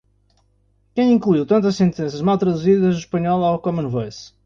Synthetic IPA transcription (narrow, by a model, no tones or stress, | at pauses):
kɐ̃j̃ĩŋklˠuiwt̪ɐ̃nt̪̬ɐʃsẽnt̪ẽsɐʒmalˠt̪ɾɐðuziðɐʒðuʃpɐɲɔlˠawkɔmɐ̃nvos